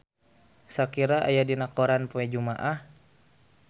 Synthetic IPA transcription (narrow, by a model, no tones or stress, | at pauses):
sakiɾaʔa̰jadinakɔɾanpuɛd͡ʒumaʔah